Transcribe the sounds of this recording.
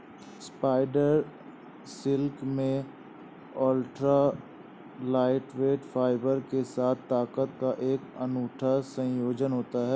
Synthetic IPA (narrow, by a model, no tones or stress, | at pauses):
spaːɪɖəɾ | sɪlkmẽ | ɔːlʈɾa | laːɪʈʋeːʈfʰaːɪbəɾkesaːt̪ʰtːaːkət̪̚kaʔeːkənuːʈʰasə̃joːd͡ʒənɦoːt̪aɦɛː